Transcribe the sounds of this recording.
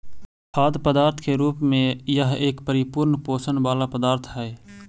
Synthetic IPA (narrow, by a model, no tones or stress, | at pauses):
kʰaːd̪pəd̪aːɾt̪ʰkeɾuːpmẽjəɦeːkpəɾɪpʊɾnpoːsənbaːlapəd̪aːɾt̪ʰɦɛ